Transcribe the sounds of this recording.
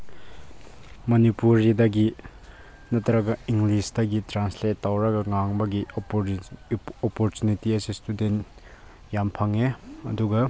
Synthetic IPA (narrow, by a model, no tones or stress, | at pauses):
mɐnipuɾidɐɡi | nɐt̪ʰɐɾɐɡɐiŋɡlisdɐɡitɾansletːawɾɐɡɐŋaŋbɐɡi | opoɾtunitiɐsestuden | jampʰɐŋeɐ̰duɡɐ